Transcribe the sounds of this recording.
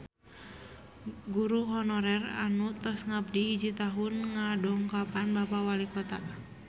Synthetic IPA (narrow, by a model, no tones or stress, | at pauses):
ɡuɾuɦɔnɔɾɛra̰nut̪ɔsŋab̚diɦid͡ʒit̪aɦunŋadɔŋkapanbapawalikɔt̪a